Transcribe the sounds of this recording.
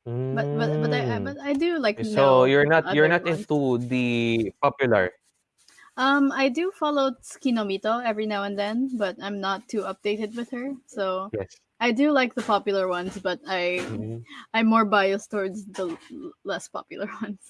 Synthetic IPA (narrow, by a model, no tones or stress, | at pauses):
bɐt̪̚bʌt̪bʌt̪aɪabʌt̪aɪdulaɪk̚ːojɔɹnat̪jɔɹnat̪ɪ̃nt̪ud̪ipɑpjʊlɐ̰ɹ | ʔʌ̃maɪdufɑloʊskinomit̪oɛvɹinaʊɛ̃nðɛ̃nbʌt̪ãɪ̃mnət̪ʰːuʌp̚d̥̪eɪtɨd̪̚wɪð̥hə˞soʊjɛs | ʔaɪdulaɪk̚ðəpɑpjʊl̩ˠəɹwʌ̃nsbʌt̪aɪ | ʔãɪ̃mːɔɹbajɨst̪ɔɹdsðəlɛspɑ̰pjʊl̩ˠə˞wʌ̃ns